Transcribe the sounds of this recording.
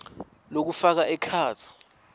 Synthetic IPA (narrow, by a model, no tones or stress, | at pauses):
lok̬ufak̬aɛkʰaːt͡sʰi̥